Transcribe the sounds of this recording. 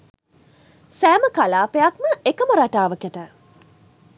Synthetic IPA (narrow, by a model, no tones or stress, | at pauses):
sæːməkalaːpejakməekəməɾaʈaːʋəkeʈə